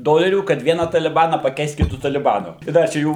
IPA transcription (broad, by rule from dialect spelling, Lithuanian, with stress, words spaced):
ˈdoːlʲɛrʲuː kɐt ˈʋʲiɛnɐ tɐlʲɪˈbɑːnɐ pɐˈkʲɛɪst kʲɪˈtʊ tɐlʲɪˈbɑːnʊ ɪ ˈdɐ t͡ʃʲɛ ˈjuː